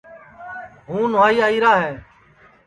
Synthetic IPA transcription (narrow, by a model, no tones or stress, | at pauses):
ɦũːnʊʋaːiːaːiːɾaːɦɛː